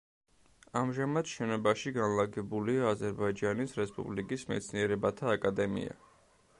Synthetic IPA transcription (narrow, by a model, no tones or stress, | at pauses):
amʒamad̪ʃɛnɔbaʃiɡanlaɡɛbuliaːzɛɾbaid͡ʒanisɾɛspʼṵblikʼismɛ̰t̪sʰniɛɾɛbat̪ʰaːkʼad̪ɛmḭa̰